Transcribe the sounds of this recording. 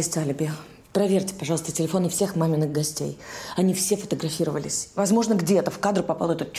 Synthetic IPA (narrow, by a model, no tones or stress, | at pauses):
esʲtʲalʲɪbʲɪ | pɾɐvʲerʲtʲɪ̥pɐʐɑlˠst̪ətʲɪlʲɪfo̞nʊfsʲe̞xmamʲɪnɨɣxɡɐsʲtʲḛjɐnʲifsʲefə̥t̪əɡɾɐfʲiɾəvə̰lʲɪ̰sʲvɐzmo̞ʐnəɡdʲet̪əfkad̪ɾʊpɐpalˠɛt̪ut̪